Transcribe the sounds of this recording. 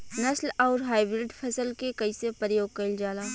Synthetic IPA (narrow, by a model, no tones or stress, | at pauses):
nɐslɔːɾɦaːibɾɪɖpʰɐsəlkekɐisepəɾjoːɡ̚kɐɪld͡ʒaːlaː